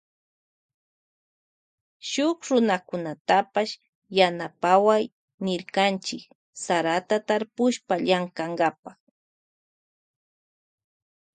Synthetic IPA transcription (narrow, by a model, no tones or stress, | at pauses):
ʃʊkɾʊnakʊnat̪apaʃ | janapawaj | nɪɾkant͡ʃɪk | saɾat̪at̪aɾpʊʃpaʎaŋkaŋɡapaχ